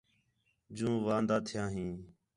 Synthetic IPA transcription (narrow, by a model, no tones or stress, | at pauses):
d͡ʒũːʋãːnd̪aːt̪ʰɪjãːɦĩː